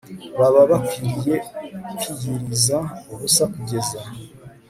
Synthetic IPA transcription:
βaβaβakwiɾije̞kijiɾizaoβusakuɟe̞za

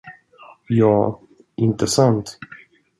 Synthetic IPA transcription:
jɑː | ʔɪnt̪əsant̪

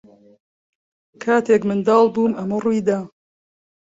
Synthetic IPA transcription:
kʰaːt̪ʰeːkmɨnd̪ɑːlˠbuːmɐmɐrujd̪aː

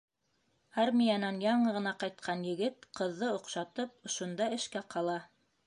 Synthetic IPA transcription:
ɑɾmʲijanɑnjɑɴɤʁɤ̆nɑqɑjt̪̚qʰɑnjɘ̆ɡɘt̪qɤ̆ðːɤŏqʃɑt̪ɤp̚ŏʃŏnd̪ɑɘ̆ʃkæqɑlˠɑ

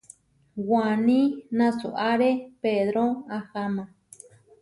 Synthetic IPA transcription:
wanĩnãsṵʔaɾepeðɾoahamã

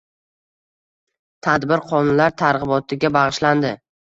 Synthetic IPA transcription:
t̪ʰad̪bɪɾqʰɒnnlaɾt̪ʰaɾʁɨbɒt̪ʰɪɡʲabɑʁɨʃland̪ɪ

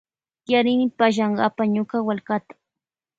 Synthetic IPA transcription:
t̪jaɾɪnɪpaʃ̬ɑɴɢɑpaɲʊkawalkat̪ḁ

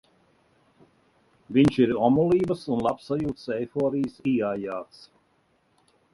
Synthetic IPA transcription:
viɲʃiɾɔmulˠiːbəsunlˠapsːajuːt̪sɛjfɔːɾijsiajaːt̪s

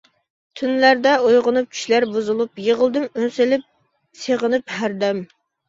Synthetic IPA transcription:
t̪ʰynlæɾd̪ɛojʁənup̚t͡ʃʰy̥ʃlæɾbuzulˠupjeʁəlˠd̪ɨmønselɪp̚ | seʁənɨphæɾd̪ɛm

